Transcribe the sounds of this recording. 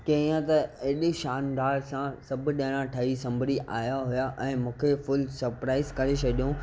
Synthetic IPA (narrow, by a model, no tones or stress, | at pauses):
kɐ̃ĩãt̪ɐeːɗeʃaːnd̪aːɾsãsɐbʱʊɗɐ̃ɦɽ̃ãʈʰɐɦisɐ̃mbʱɾiʔa̰ːjaɦʊjaʔɛ̃ːmũːkʰefʊlsɐɾpɾaːɪzkɐɾet͡ʃʰɐɗijõ